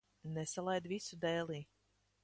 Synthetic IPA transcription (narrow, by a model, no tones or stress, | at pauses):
nɛsalˠajd̪visud̪ɛːlˠiː